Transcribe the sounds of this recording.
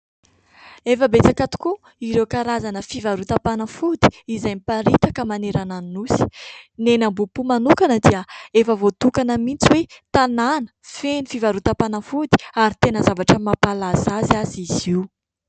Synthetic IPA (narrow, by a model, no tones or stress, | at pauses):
efəbet͡sakat̪u̥ku | iɾewkaɾazanəfivaɾut̪apanəfud̪i̥izajmipaɾit̪akəmaneɾananinusi̥nenambupumanukanəd̪iəefəvot̪ukanəmint͡siwet̪ananə̥fenifivaɾut̪apanəfud̪i̥aɾit̪enəzavaʈ͡ʂəmapalasaziaziziw